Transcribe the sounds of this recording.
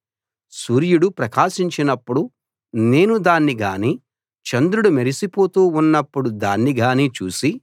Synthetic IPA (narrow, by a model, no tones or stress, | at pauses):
suːɾjuɽupɾɐkaːʃiɲt͡ʃinɐpːuɽu | ne̞ːnud̪aːnːiɡaːni | t͡ʃɐnd̪ɾuɽumeɾisipo̞ːt̪uːunːɐpːuɽud̪aːnːiɡaːniːt͡ʃuːsi